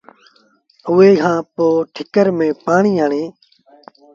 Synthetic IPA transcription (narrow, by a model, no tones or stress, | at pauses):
ʊːeːkʰãːpoːʈʰɪkəɾmẽːpaːɳiːɦəɳẽː